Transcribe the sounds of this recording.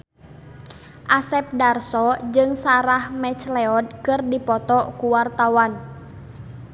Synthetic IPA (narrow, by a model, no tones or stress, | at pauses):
ʔasɛp̚darsɔd͡ʒɨŋsaɾahmɛt͡ʃlɛɔd̚kɨrdipɔt̪ɔkuwart̪awan